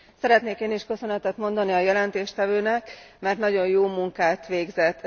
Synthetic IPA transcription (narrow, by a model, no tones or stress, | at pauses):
sɛɾɛt̪neːkeːniʃkø̞sø̞nɛt̪ɛt̪mo̞nd̪ɒniɒjɛlɛnt̪eːʃt̪ɛvøːnɛkmɛrt̪nɒɟo̞njoːmuŋkaːt̪ʋeːɡzɛt̪ː